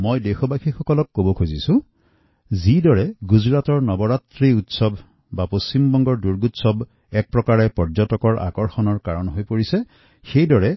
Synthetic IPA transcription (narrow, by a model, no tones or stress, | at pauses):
mojdexɔbakʰixɔkɔlɔkːobɔkʰuzisũ | zidɔɹɛɡuzɹatɔɹnɔbɔɹatɹiutsɔb | bapost͡ɕimbɔŋɡɔɹduɹɡutsɔb | ɛk̚pɹɔkaɹɛpɔɹzɔtɔkɔɹʔa̰kɔɹxɔnɔɹkaɹɔnɦojpoɹisɛ | xejdɔɹɛ